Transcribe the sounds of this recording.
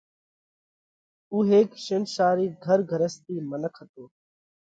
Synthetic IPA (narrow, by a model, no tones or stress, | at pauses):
uːɦeːkʃɪnʃaːɾiːɡʱəɾɡʱəɾəst̪iːmənəkʰət̪oː